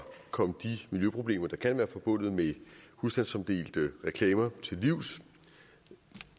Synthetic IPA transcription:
kʰɒ̽m̰d̥imiljøpʰʁo̝b̥le̝̰ːmɐd̥ɑ̈kʰænʋæːɐfɒ̽b̥ɔ̽n̰ð̩ˠmehusd̥ænsɒ̽md̥e̝̰ːld̥əʁɛkʰlɛːmɐt͡sʰe̝lːiʊ̰s

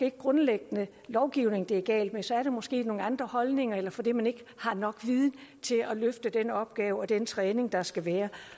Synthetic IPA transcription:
e̝eɡ̥̚ɡʁɔ̽nleɡ̥ənə | lɒʊɡ̥iʊne̝ŋd̥e̝æɡ̥ɛ̰ːld̥mensɒ̽æɐɾ̥e̝mɒ̽sɡ̥e̝̰ːno̝ːŋ̩ɑ̈nd̥ʁɐhɒ̽lne̝ŋɐelɐfɒ̽d̥emæne̝ɡ̥əhɑ̈nɒ̽ɡ̥ʋið̞ˠn̩t͡sʰe̝æløfd̥əd̥enɒ̽b̥̚ɡ̥ɛːʊɒ̽d̥ent͡sʰʁɛːne̝ŋd̥ɑ̈sɡ̥æʋæːɐ

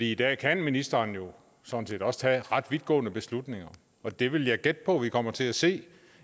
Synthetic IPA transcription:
fd̥ḭːid̥ɛ̰ːkʰænminisd̥ɐːnjo̝ | sɒ̽n̩se̝̰ːd̥ɒ̽st͡sʰæʁɑ̈d̥ʋid̥̚ɡ̥ɔ̰̽ːnəb̥e̝slud̥ne̝ŋɐ | ɒ̽d̥e̝ʋe̝ljɑ̈ɪɡ̥ed̥̚pʰɒ̽ʋikʰɒ̽m̰ɐt͡sʰe̝æse̝̰ː

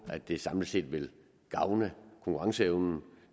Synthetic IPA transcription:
æd̥d̥e̝sɑ̈mlise̝̰ːd̥ʋe̝l | ɡ̥ɑ̈ʊnəkʰɔ̽ŋkʰuʁɑ̈ŋsəeʊnn̩

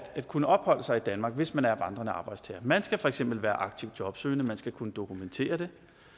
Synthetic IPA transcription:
d̥æd̥kʰunəʔɒ̽b̥hɒ̽l̰əsɑ̈ɪid̥ænmɑ̈ːɡ̥ʋe̝smænæɐʋɑ̈nd̥ʁɐnəɑ̈ːb̥ɑ̈ɪd̥st͡sʰɛ̰ːɐmænsɡ̥æfɒ̽eɡ̥sem̰b̥l̩ʋæːɐʔɑ̈ɡ̥̚t͡sʰiʊd̥jɒ̽b̥sø̰ːɪnəmænsɡ̥ækʰunəd̥o̝kʰument͡sʰe̝̰ːɐd̥e̝

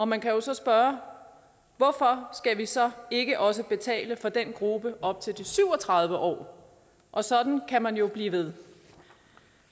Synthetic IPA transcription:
ɒ̽mænkʰæjo̝sɒ̽sb̥ɶːɐ | ʋɒfɒ̽sɡ̥æʋisɒ̽e̝ɡ̥əʔɒ̽s̬əb̥e̝t͡sʰɛ̰ːləfɒ̽d̥enɡ̥ʁub̥əʔɒ̽b̥̚t͡sʰe̝ld̥isyʊ̰ɒ̽t͡sʰʁɑ̈ð̞ˠʋəʔɒ̰ː | ʔɒ̽sɒ̽d̥n̩kʰæmænjo̝b̥liːʋe̝ð̞ˠ

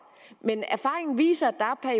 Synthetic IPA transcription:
menæɐfɑ̈ːʁe̝ŋn̩ʋḭːsɐd̥ɑ̈æpʰæɐ

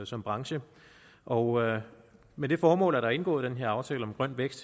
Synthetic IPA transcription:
sɒ̽mb̥ʁɑ̈ŋɕə | ʔɒ̽ʊ | med̥e̝fɒːmɔ̰̽ːlæɐɾɑ̈e̝nɡ̥ɔ̰̽ːð̞̩ˠd̥enɦe̝ɐ̰ɑ̈ʊt͡sʰɛ̰ːləɒ̽mɡ̥ʁɶn̰d̥ʋeɡ̥sd̥

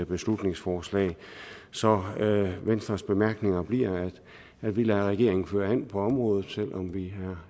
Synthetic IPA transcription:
b̥e̝slud̥ne̝ŋsfɒːslɛ̰ɪsɒ̽ʋensd̥ʁɐsb̥e̝mæɐɡ̥ne̝ŋɐb̥liɐ̰æ̥ | æ̥ʋilæʁɛɡ̥e̝ɐ̰e̝ŋn̩føːɐen̰pʰɒ̽ɒ̽mʁɔːð̞ˠð̩ˠsel̰ɒ̽mʋiæɐ

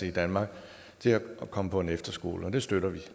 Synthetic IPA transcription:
eid̥ænmɑ̈ːɡ̥ | t͡sʰe̝læʔɒkʰɒ̽məpʰɒ̽e̝nefd̥ɐsɡ̥o̝̰ːləɒ̽d̥e̝sd̥øɾ̥ɐʋi

